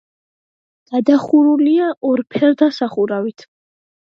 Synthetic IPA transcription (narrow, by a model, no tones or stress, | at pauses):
ɡ̥ad̪aχuɾuliaʔɔɾpʰɛɾd̪asaχuɾavit̪ʰ